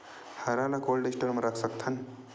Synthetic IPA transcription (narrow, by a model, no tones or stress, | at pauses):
haɾalakolɖisʈəɾməɾakʰsəkt̪ʰan